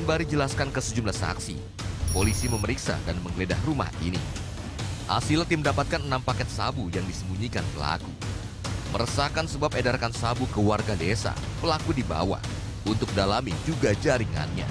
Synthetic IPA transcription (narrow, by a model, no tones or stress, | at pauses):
kəmbalid͡ʒəlaskankəsəd͡ʒumlahsa̰ksḭ | polisiməməɾiksa̰danməŋɡəledahruma̰hḭnḭ | ha̰silat̪ɪmədapat̪̚kanənampakɛt̪̚sa̰bujaŋdisəmbuɲikanpəla̰ku | məɾəsakansəbap̚edarkansabukəwarɡadesa̰pəlakudiba̰wa̰ | unt̪ʊk̚dalamid͡ʒuɡad͡ʒaɾiŋa̰nɲa̰